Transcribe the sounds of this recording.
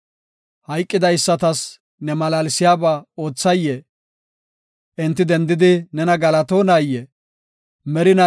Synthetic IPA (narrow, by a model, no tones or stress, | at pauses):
hɐjkʼːɪd̪ɐjsːɐt̪ɐs | nɛmɐlaːlɪsɪjaːbao̞ːt͡sːɐjːɛ | ʔɪnt̪ːɪd̪ɛnd̪ɪd̪ɪnɛnɐɡɐlɐt̪o̞ːnajːɛ | mɛɾɪnɐ